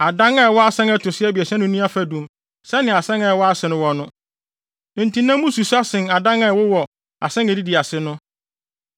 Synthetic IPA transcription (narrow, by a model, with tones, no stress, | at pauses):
a˨dã˦ŋɛ˦˨wɔ˦a˦sɛ̃˦ŋɛ˦tʰʊ˨sɪ˦ɛ˦bi˨ɛ˨sɛ̃˦nʊ̃˦nĩ˦a˦fæ˨dũ˨˦m | sɛ˦nɪ̃˨a˨sɛ̃˦ŋɛ˨wɔ˦a˦sɪ˨nʊ̃˦wɔ̃˨nʊ̃˦˨ | n̩˨tʰĩ˨nã˦mũ˦su˨su˦a˦sɪ̃˨na˨dã˦ŋɛ˨wʊ˦wɔ˨ | a̰˨sɛ̃˦ŋɛ˨di˦di˨a˨sɪ˦nʊ̃˦